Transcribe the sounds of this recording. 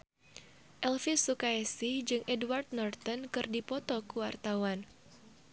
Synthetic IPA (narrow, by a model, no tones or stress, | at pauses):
ʔɛlfisukaɛsɪhd͡ʒɨŋʔɛdwart̪̚nɔrt̪ɔnkɨrdipɔt̪ɔkuwart̪awan